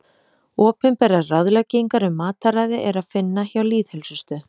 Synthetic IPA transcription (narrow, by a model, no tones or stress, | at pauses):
ɔːpʏmpɛːɾaðraðlœceŋkaɾʏmːaːt̪aɾajðɪʔɛɾaðfɪnːaçawliːðhɛlsʏst̪ʏ